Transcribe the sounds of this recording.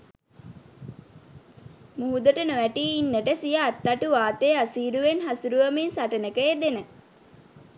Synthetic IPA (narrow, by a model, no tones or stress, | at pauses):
muɦud̪əʈənoʋæʈiːinːəʈəsijaːt̪ːaʈuʋaːt̪ejasiːɾuʋenɦasuɾuʋəmensaʈənəkəed̪enə